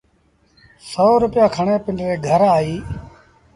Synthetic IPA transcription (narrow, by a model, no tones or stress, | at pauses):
soːɾʊpɪjãːkʰəɳeːpɪɳɖɾeːɡʱəɾaːiː